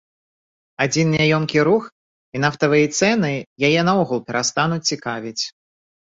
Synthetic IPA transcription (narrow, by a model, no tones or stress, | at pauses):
ad͡zʲinːʲajɔmkʲiɾux | inaft̪ɐvɨjɐt̪sɛnɨjajɛnaɔɣulˠpʲɛɾast̪anut͡sʲt͡sʲikavʲit͡sʲ